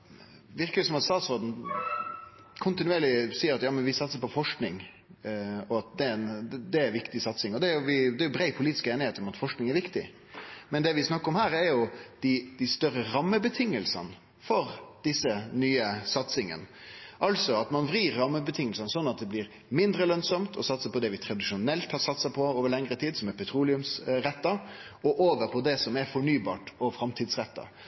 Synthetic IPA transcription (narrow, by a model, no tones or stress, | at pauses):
ʋɪɾkəlɪsɔmɑt̪st̪ɑːt̪sɔɾd̪n̩ | kʰʊnt̪ɪnʉeːɾlɪsiːəɾɑt̪jɑːmənʋɪsɑt̪səpɔfɔʂknɪŋ | ɔɑt̪̚d̪ɛnd̪ɛæɾʋɪkt̪ɪsɑt̪sɪŋɔd̪ɛɾjʊʋɪd̪ɛæɾjʊbɾæɪpʰʊliːt̪ɪ̥skeːnɪheːt̪əɾɔmɑt̪fɔʂknɪŋɛɾʋɪkt̪ɪ̰ | mɛnd̪ɛʋɪsnɑkːəɾɔmhæːɾɛɾjʊd̪̥ɪd̪æst̪œɾːəɾɑmːəbət̪ʰɪŋːəlsə̰n | fɔɾd̪̥ɪsːənyːəsɑt̪sɪŋə̰nʔɑlsɔɑt̪mɑnʋɾiːɾːɑmːəbət̪ʰɪŋːəlsɑnsɔnːɑt̪̚d̪ɛblɪːɾ | mɪnd̪ɾəlœnsɔmt̪ʰɔsɑt̪səpɔd̪ɛʋɪt̪ʰɾɑd̪ɪʂʊnɛlt̪hɑɾsɑt̪sɑpʰɔoːʋəɾɭɛŋɾət̪ʰiːd̪sɔmɛɾpʰɛt̪ʰɾuːlɪʉmsɾɛt̪ːɑɔʔoːʋəɾpʰɔd̪ɛsɔmɛɾfɔɳyːbɑ̰ːʈɔfɾɑmt̪ʰiːd̪sɾɛt̪ːɑ̰